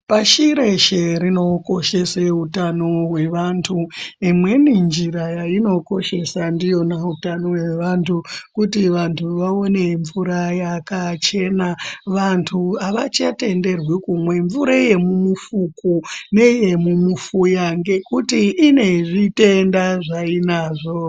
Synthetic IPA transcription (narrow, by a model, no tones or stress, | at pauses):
paʃiɾeʃeɾino̞ko̞ʃe̞seutano̞ɦwe̞ʋantʰuimwe̞nind͡ʒiɾajaino̞ko̞ʃe̞sandijo̞nautano̞we̞ʋantʰukutiʋantʰuʋao̞ne̞ɱvuɾajakat͡ʃe̞naʋantʰuaʋat͡ʃate̞nde̞rwikumwe̞ɱvuɾaje̞mumufukune̞je̞mumufujaŋɡe̞kutiːne̞ʐite̞ndaʐainaːʐo̞